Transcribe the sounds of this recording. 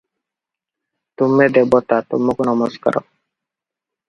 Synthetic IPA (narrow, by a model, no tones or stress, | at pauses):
t̪umːed̪ebɔt̪at̪ṵmːokunɔmɔska̰ɾɔ̰